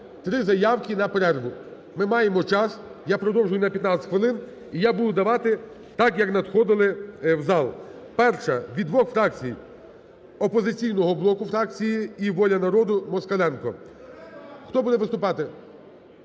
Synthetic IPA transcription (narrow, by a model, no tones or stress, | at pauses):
t̪ɾɪzɐjɑwkʲinɐpeɾɛrɦʊ | mɪmɑjemɔt͡ʃɑsjapɾɔd̪ɔwʒʊjʊnɐpʲjɐt̪nɑt͡s̪ʲsʲxʋeɪlˠɪn | ijabud̪ʊd̪ɐʋɑt̪ɪ | t̪ɑkjɐknɐd̪xɔd̪ɪlˠɪwzɑlˠ | pɛrʃɐʋʲid̪ʋɔxfɾɑkt͡sʲij | ɔpɔzɪt͡sʲijnɔɦɔblˠɔkʊfɾɑk̚t͡sʲijiiʋɔlʲɐnɐɾɔd̪ʊmɔskɐlˠɛnkɔ | xt̪ɔbud̪ɛʋɪst̪ʊpɑt̪ɪ